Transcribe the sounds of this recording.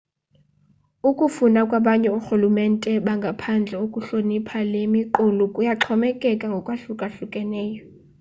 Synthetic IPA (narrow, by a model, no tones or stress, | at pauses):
ukʼufunakʼwaɓaɲɛuxulumɛntʼɛɓaŋɡʱapʰand͡ɮʱɛukʼuɬonipʰalemiǃulukʼujaǁʰɔmɛkʼɛkʼaŋɡʱɔkʼwaɬukʼaɬukʼɛnɛːjɔ